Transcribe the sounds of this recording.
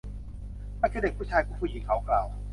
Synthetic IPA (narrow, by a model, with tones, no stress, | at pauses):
ʔaː˧˥kʰaː˧˥˩de˨˩k̚ʰuː˥˩t͡ɕʰaː˧kɔː˧˥˦pʰuː˧˩ji˨˦ŋkʰa˨˦wklaː˧˩w